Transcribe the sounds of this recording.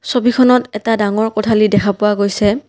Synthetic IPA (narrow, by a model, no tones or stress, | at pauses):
sobikʰɔnɔtɛtadaŋɔɹkɔtʰalidɛkʰapʊwaɡojsɛ